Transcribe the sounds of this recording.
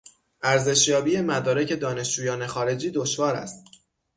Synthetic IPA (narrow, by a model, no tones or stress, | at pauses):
ʔæɾze̞ʃjɒːbiːje̞mæd̪ɒːɾecʰe̞d̪ɒːne̞ʃd͡ʒuːjɒːne̞xɒːɾe̞d͡ʒiːd̪oʃvɒːɾæ̰st̪